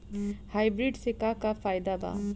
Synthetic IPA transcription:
hajbɾiɖsekakapʰajd̪aba̰

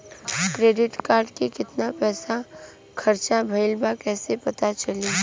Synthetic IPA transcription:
kɾeːɖɪʈkaːɾɖkekɪt̪napɛːsa | kʰɐɾt͡ʃabʱɐɪlbakɛːsepɐt̪at͡ʃɐliː

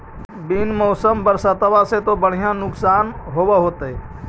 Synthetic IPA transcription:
biːnmɔːsəmbəɾsat̪əʋaset̪obəɽ̤ijãnʊksaːnɦoːʋaɦoːt̪ɦe

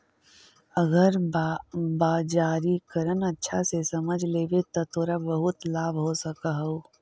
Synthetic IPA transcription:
əɡəɾ | baːd͡ʒaːɾikəɾənətːʃʰasesɐməd͡ʒʱleːʋet̪ɔt̪oːɾabəɦʊt̪laːbʱɦosəkaɦɐo

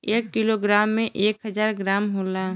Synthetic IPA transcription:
eːkːiloɡɾaːmːẽʔeːkɦəzaːɾɡɾaːmɦoːlaː

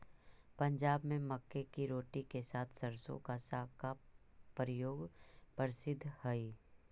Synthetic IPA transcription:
pɐ̃ɲd͡ʒaːbmẽmɐkːekiɾoːʈikesaːt̪ʰsɐɾsõ̰kasaːka | pəɾɪjoːɡpəɾɪsɪd̪ʱːhɐiː

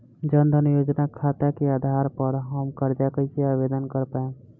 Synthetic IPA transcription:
d͡ʒənd̪ʱənijoːd͡ʒnakʰat̪akeaːd̪ʱaɾpəɾɦəmkəɾd͡ʒakəɪseabed̪ənkəɾpaẽ

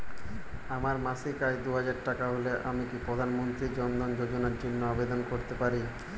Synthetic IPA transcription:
amaɾmasikajd̪uɦad͡ʑaɾʈakaɦoleʔamikipɾod̪ʱanmont̪ɾid͡ʑɔnd̪ʱond͡ʑod͡ʑonaɾd͡ʑinːoabed̪onkoɾt̪epaɾi

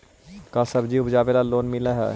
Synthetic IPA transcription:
kasɐbd͡ʒiʊbʱd͡ʒaːbelaloːnmɪlaɦɛ̰ː

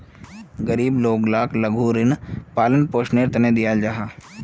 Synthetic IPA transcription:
ɡɐɾiːbloːɡlaːklɐɡʱuɾɪnpaːlənpoːʃneɾt̪ɐned̪ijaːld͡ʒaɦaː

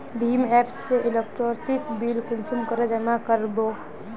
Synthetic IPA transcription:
bʱiːmɛːpsːeʔɪlek̚ʈɾɔːɾsit̪ʰbiːlkə̃nsumkəɾod͡ʒɐmakəɾboː

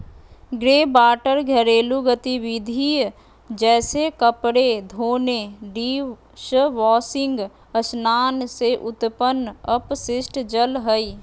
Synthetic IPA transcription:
ɡɾeːbaːʈəɾɡʱəɾeːluɡət̪iʋɪd̪ʱi | d͡ʒɛːsekəpɽed̪ʱoːneɖiː | ʃəʋɔːsɪ̃ŋɡ | əsnaːnseʔʊt̪pənəpsɪsʈd͡ʒəlɦəi

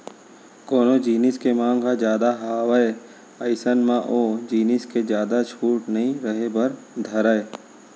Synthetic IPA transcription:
koːnod͡ʒiːnɪskemãːŋɡɦad͡ʒjaːd̪aɦaːʋəe | əɪsənmãʔoːd͡ʒiːnɪsked͡ʒjaːd̪at͡ʃʰuːʈnɐɦĩɾəɦebɐɾd̪ʱɐɾaeː

